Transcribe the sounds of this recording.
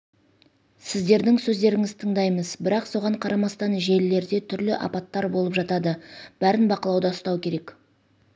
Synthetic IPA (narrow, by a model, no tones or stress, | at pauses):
sɪzd̪e̞ɾd̪ɪŋsɵzd̪e̞ɾɪŋɪzt̪ʰəɴd̪ɑjməzbɪɾɑqso̞ʁɑɴqʰɑɾʔɑmɑst̪ɑnʒe̞lle̞ɾd̪e̞t̪ʰʏɾlɪʔɑ̰pɑt̪ːɑɾbo̞lˠəpʒɑt̪ɑd̪əb̥æɾɪnbɑqəlˠɑwd̪ɑst̪ɑwkʲʰe̞ɾe̞k